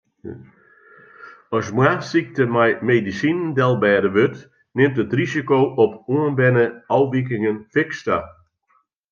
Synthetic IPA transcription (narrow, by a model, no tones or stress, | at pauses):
ɔsmwasik̚təmɛjmedisinndɛlˠbɛːdəʋøt | nɪmtətrisikoːʔɔpuənbɛnəɔwʋik̬ɪŋənfɪksta